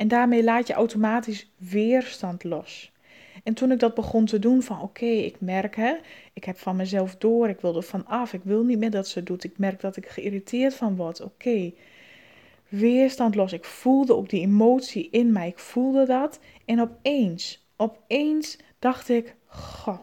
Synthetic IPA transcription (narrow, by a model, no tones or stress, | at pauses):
ɛndaːrmejlaːtjəʔawtomaːtisʋɪərstɔntlɔs | ɛntunɪk̚dɔt̚bəɣontədunfɔnokʰeːɪ̰kmɛrkəɪkhɛpfɔnmɛjzɛlˠfdoːəɾɪkʋɪlˠdəfɔnɑfɪkʋɪlˠnit̚mɪːdɔtsədutɪk̚mɛrk̚dɔtɪkxəiritʰɪːətfɔnʋɔtʰoːkʰeː | ʋɪːərstɔntlosɪkfulˠdəok̚diemoːtsiʔɪnmɛjɪkfulˠdədɔt | ɛnɔpeːns | ɔpeːns | d̥ɑxtɪk | xo